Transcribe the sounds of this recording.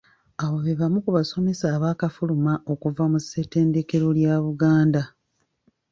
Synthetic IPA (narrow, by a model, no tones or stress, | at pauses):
aβo̞βeβamukuβaso̞me̞saːβaːkafulumao̞kuvamuse̞te̞ːnde̞ke̞ɾo̞ljaːβuɡaːnda